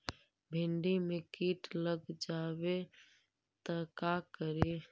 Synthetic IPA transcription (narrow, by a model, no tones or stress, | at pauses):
bʱɪɳɖimẽːkiːʈləɡd͡ʒaːʋe | t̪əkaːkəɾeː